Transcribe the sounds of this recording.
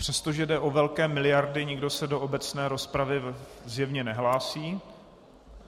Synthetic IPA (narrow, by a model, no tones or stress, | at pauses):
pr̥ɛst̪oʒɛdɛʔo̞vɛlkɛːmɪlɪjaɾdɪɲɪɡdo̞sɛdo̞ʔobɛt͡snɛːɾo̞spɾavɪzjɛvɲɛnɛɦlaːsiː